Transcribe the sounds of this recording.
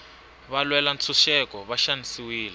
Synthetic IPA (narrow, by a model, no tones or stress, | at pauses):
βalwɛlant͡sʰuʃɛkɔβaʃanisiwiːlɛ